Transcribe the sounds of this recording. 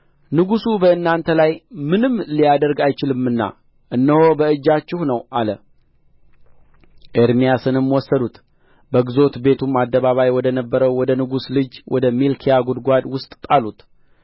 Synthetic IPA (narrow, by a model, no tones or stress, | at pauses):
nɨɡusubəɨnːant̪ʰəlajmɨnɨmlijad̪əɾɡajt͡ʃɪlɨmːɨnːa̰ | ʔɨnːəho̞bəɨd͡ʒːat͡ʃːɪhnəwʔalə | ʔeɾmijasɨnɨmwɔsːəd̪ut̪ | bəɡzo̞t̪be̞t̪ʰumad̪ːəβaβajwɔd̪ənəbːəɾəwːɔd̪ənɨɡuslɨd͡ʒwʔɔ̰d̪əmilkʰijaɡud̪ɡʷad̪wʊst̪ʼt̪ʼalut̪